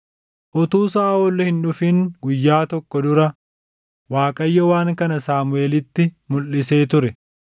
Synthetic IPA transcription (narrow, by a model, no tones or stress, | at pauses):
ʔɔt̪uːsaːoːlːɔhɪnᶑʊfɪŋɡʊjːaːt̪ɔkːɔd̪ʊɾɐ | waːkʼɐjːɔwaːŋkɐnɐsaːmʊeːlɪt̪ːɪmʊlːɪse̞ːt̪ʊɾɛ